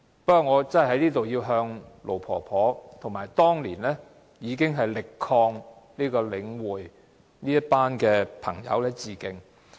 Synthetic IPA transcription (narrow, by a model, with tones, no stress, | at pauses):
pkːɔː˨˧ŋɔː˨˧t͡sɐ˥nhɐ˨jhɐ˨˥jniː˥t̪o˨wjiː˧wɦœː˧ŋlʔo˨˩wpʰɔ̰ː˨˩pʰɔː˨˥t̪ʰo˨˩maː˨˩jt̪ɔː˥ŋliː˨˩nlɛː˥ | jiː˨˧k̬ɪ˥ŋɦɐ˨jlɪ˨kʰːɔː˧ŋ | niː˥kɔː˧lɪ˨˧ŋwuː˨˩j | niː˥jɐ˥t̚paː˥nkɛː˧pʰɐ̰˨˩ŋjɐ̰˨˧wlɛː˥t͡siː˨˩kɪ˨˧ŋ